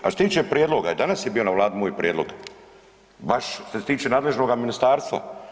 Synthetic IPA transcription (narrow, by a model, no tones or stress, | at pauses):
at̪t̪iːt͡ʃepɾjeːd̪loɡaid̪anasjebiːo̞naʋlˠaːd̪imoːjpɾjed̪lo̞̰ɡ | baʃset̪iːt͡ʃenaːd̪le̞ʒno̞ɡaminist̪aːɾst̪ʋa̰